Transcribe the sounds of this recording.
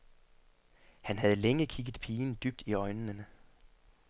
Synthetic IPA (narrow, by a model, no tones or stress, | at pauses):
hænɦæð̞̩ˠleŋəkʰiɡ̥ð̩ˠpʰiːnd̥yb̥̚d̥iɒɪnːənə